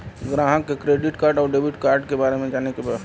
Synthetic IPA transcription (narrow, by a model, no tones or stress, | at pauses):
ɡɾãːɦəkːekɾeːɖɪʈkaːɾɖɔːɾɖeːbɪʈkaːɾɖkebaːɾemẽd͡ʒaːnekeba